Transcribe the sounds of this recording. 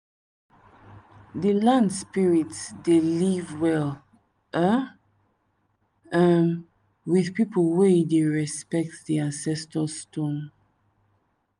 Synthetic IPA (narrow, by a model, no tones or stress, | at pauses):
ðəlãndspiɹitsdelivwɛl | ʔə | ə̃n | wiðpipʰəlwedeɹɛspɛk̚tðiãnsɛstəstɔ̃n